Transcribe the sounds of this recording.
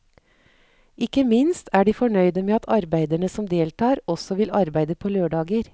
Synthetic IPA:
ɪkəmɪnst̪ʰæːɖiːfɔɳœʏd̪əmeːɑt̪ʰɑɾbæɪd̪æɳəsɔmd̪eːlt̪ʰɑːɾɔsɔʋɪlɑɾbæɪd̪əpʰoːløːɖɑːɡəɾ

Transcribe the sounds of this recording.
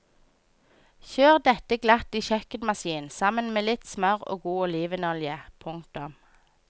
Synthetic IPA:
çøːʁd̪ɛt̪əɡlɑt̪iːʃœkət̪mɑsiːnsɑmənmeːlɪt̪smœʁo̰ːɡuːɔliːʋənɔljəpʰʊŋt̪ʊm

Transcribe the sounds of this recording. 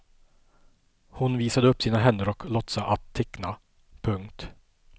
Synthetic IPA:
hʊnviːsad̪əɵpːsiːnaɦɛnːəɾɔklɔt̪saʔat̪ʰːɛkna | pʰɵŋkt̪

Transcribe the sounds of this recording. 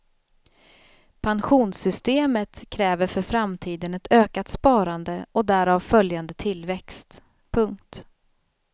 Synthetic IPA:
pʰanɧuːnsʏst̪eːmət̪kʰɾɛːvəɾfœɾfɾamt̪ʰiːd̪ənɛt̪ʰøːkat̪spɑːɾand̪əɔd̪æɾavfœljand̪ət̪ʰɪlvɛkst̪ | pʰɵŋk̚t̪

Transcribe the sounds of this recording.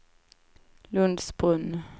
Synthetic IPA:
lɵnd̪sbʊn

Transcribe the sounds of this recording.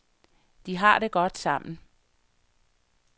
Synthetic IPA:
d̥iɦɑ̈ɾ̥e̝ɡ̥ɒ̽d̥sɑ̈m̰n̩

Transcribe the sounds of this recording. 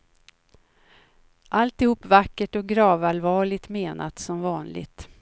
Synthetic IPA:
ʔalt̪ɪhuːpːvakːəʈɔk̚ɡɾɑːvalvɑːɭɪt̪meːnʔat̪sɔmvɑːnlɪ̰ɡt̪

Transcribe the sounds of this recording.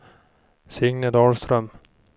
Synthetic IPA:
sɪŋnəd̪ɑːlst̪ɾœm

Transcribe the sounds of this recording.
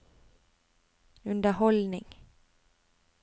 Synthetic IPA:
ʉnd̪əhɔlnɪŋ

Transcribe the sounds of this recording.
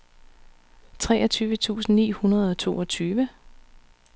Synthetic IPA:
t͡sʰʁɛːʔɒt͡sʰyːʋət͡sʰṵːsn̩nːḭːhunɐð̞ˠɒ̽t͡sʰo̝̰ːɒ̽t͡sʰyːʋə

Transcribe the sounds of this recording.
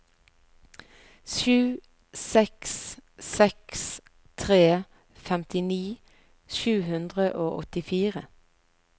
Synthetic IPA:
ʃʉː | sɛkssɛks | t̪ʰʁeː | fɛmt̪ɪniː | ʃʉːhʉnd̪ʁəʔoːʔɔ̰t̪ɪfiːʁə

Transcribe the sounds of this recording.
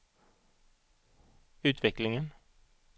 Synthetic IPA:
ʉːt̪ʰʋɪklɪŋən

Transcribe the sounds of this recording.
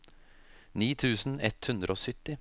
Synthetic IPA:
niːt̪ʰʉːsn̩ɛt̪hʉnd̪ɾʔəoːsʏt̪ɪ

